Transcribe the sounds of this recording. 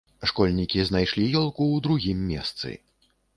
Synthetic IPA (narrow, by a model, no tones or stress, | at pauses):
ʂkɔlʲnʲikʲiznajʂlʲijɔlˠkuːd̪ɾuɣʲimːʲɛ̰st̪sɨ̰